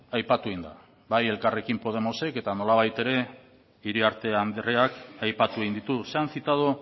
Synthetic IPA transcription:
ajpat̪ueind̪a̰ | baje̞lkare̞kimpo̞ð̞e̞mo̞se̞ke̞t̪ano̞laβ̞ajt̪e̞ɾe̞ | iɾiaɾt̪e̞and̪reakajpat̪ueind̪it̪use̞ansit̪að̞o

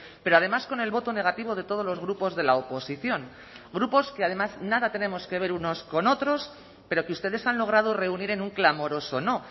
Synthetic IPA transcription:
pe̞ɾoað̞e̞masko̞ne̞lβo̞t̪o̞ne̞ɣ̞at̪iβ̞o̞ðe̞t̪o̞ð̞o̞zlo̞zɣ̞ɾupo̞zðe̞laopo̞siθjo̞ŋ | ɡɾupo̞ske̞aðe̞maznaðat̪e̞nemo̞ske̞β̞e̞ɾuno̞sko̞no̞t̪ɾo̞s | pe̞ɾo̞keust̪e̞ð̞e̞sanlo̞ɣ̞ɾað̞ore̞uniɾe̞nuŋklamo̞ɾo̞so̞no̞

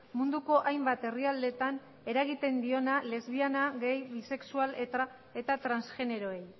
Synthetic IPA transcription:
mund̪uko̞ʔajmbat̪e̞riald̪e̞t̪an | e̞ɾaɣit̪e̞nd̪io̞nale̞zβianaɣe̞jβise̞ksuale̞t̪ɾa | e̞t̪at̪ɾansʝe̞ne̞ɾo̞e̞j

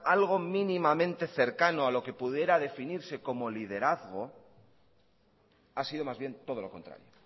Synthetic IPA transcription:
alɣ̞o̞mĩnimamẽnt̪e̞θe̞ɾkano̞alo̞ke̞puðje̞ɾaðe̞finiɾse̞ko̞mo̞lið̞e̞ɾaθɣo̞ | asiðo̞mazβje̞nt̪o̞ð̞o̞lo̞ko̞nt̪ɾa̰ɾjo

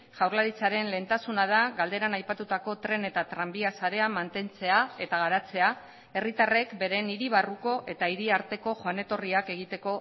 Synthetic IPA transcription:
ʝawɾlaɾit͡saɾe̞nle̞nt̪asunað̞aɣald̪e̞ɾanajpat̪ut̪ako̞t̪ɾe̞ne̞t̪at̪ɾambiasaɾe̞amant̪e̞nt͡se̞ae̞t̪aɣaɾat͡se̞a | e̞rit̪are̞kbe̞ɾe̞niɾiβ̞aruko̞ʔe̞t̪aiɾiaɾt̪e̞ko̞ʝoane̞t̪o̞riake̞ɣ̞it̪e̞ko̞

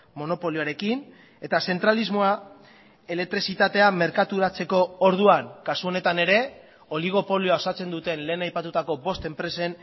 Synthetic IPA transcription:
mo̞no̞po̞lioaɾe̞kin | e̞t̪ase̞nt̪ɾalizmo̞a | e̞le̞k̚t̪ɾisit̪at̪e̞ame̞ɾkat̪uɾat͡se̞ko̞oɾð̞uaŋkasuo̞ne̞t̪ane̞ɾe̞ | o̞liɣ̞o̞po̞lioao̞sat͡se̞nd̪ut̪e̞nle̞ːnajpat̪ut̪ako̞bo̞st̪e̞mpɾe̞se̞n

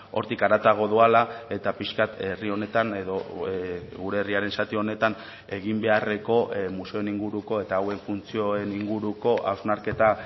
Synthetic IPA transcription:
o̞̰ɾt̪ikaɾat̪aɣ̞o̞ðualae̞t̪apiskat̪erio̞ne̞t̪ane̞ðo̞ | ɣuɾe̞ːriaɾe̞nsat̪ione̞t̪an | e̞ɣimbe̞are̞ko̞ʔmuse̞o̞eniŋɡuɾuko̞e̞t̪aːwe̞ɱfunt͡sio̞e̞niŋɡuɾuko̞ʔawznaɾke̞t̪a

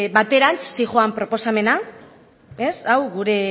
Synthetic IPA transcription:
βat̪e̞ɾant͡ssiʝoampɾo̞po̞same̞na | e̞sawɣuɾe̞

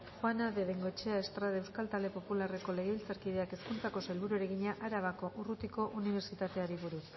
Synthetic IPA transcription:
xwanaðe̞ðeŋɡo̞et͡ʃeaest̪ɾaðaewskalt̪ald̪e̞populare̞ko̞le̞ɣeilt͡saɾkiðe̞ake̞skunt͡sako̞salβuɾueɾe̞ɣ̞iɲaʔaɾaβako̞ʔurut̪iko̞ʔuniβ̞e̞ɾt͡ʃit̪at̪e̞aɾiβuɾus

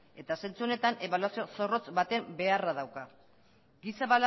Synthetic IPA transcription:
e̞t̪ase̞nt͡suo̞ne̞t̪ane̞βaluwasio̞so̞ro̞t͡sbat̪e̞mbe̞arað̞awka | ɡisaβal

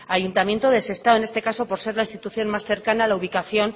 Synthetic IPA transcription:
ajunt̪amje̞nt̪oðese̞st̪ae̞ne̞st̪e̞kaso̞po̞ɾse̞ɾlainst̪it̪uθjo̞nmasθe̞ɾkanaːlauβ̞ikaθjo̞n

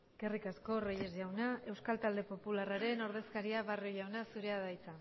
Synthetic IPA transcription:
ɡ̥e̞rikasko̞rejezʝawnae̞wskalt̪ald̪e̞po̞pularaɾe̞no̞ɾð̞e̞skaɾiaβarjoʝawnasuɾe̞aðajt͡sa

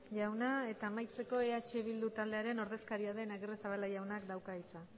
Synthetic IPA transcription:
ʝawnae̞t̪aːmajt͡se̞ko̞eat͡ʃe̞β̞ild̪ut̪ald̪e̞aɾe̞no̞ɾðe̞skaɾiaðe̞naɣeresaβalaʝawnakd̪awkait͡sa

